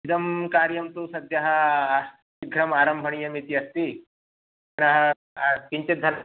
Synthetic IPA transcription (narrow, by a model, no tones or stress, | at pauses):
d̪ɐmkaːɾjɐmt̪usɐd̪jɐɦɐ̆s | ɡʱɾɐmaːɾɐmbʱɐɳijɐmit̪iɐst̪i | ɐnɐɦɐ̆ | kiɲt͡ʃid̪ʱɐ